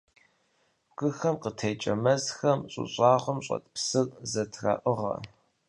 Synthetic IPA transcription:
ɡʷʼɨxɐmqətʰeːt͡ʃʼɐmɐzxɐmɕʼʊ̰ɕʼɑːʁʷʊmɕʼɐ̰t̚ʰpsɨrzɐtʰra̰ːʔəʁɐ̰

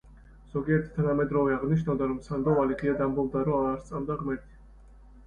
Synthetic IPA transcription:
z̥ɔɡiɛɾt̪ʰt̪ʰanamɛd̪ɾɔvɛaʁniʃ̬navd̪aɾɔmsand̪ɔvaliʁiad̪ambɔvd̪aɾɔaːɾst̪sʼamd̪aʁmɛɾt̪ʰi̥

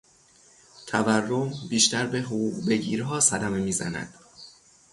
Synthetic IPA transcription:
t̪ʰæværːo̞mbiːʃt̪æɾbe̞ɦoɣuːɢbe̞ɡɟḭːɾɦɒːsæd̪æme̞miːzæ̰næ̰d̪̥

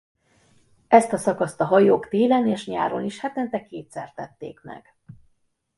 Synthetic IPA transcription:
ɛst̪ɒsɒkɒst̪ɒɦɒjoːkt̪eːlɛneːʃɲaːɾo̞niʃhɛt̪ɛnt̪ɛkeːt̪sɛrt̪ɛt̪ːḛːkmɛ̰ɡ̥

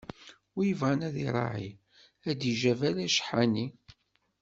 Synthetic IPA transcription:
jəvʁænæðiɾˤɑ̰ʕi | æd̪iʒævælæʃə̥ħani

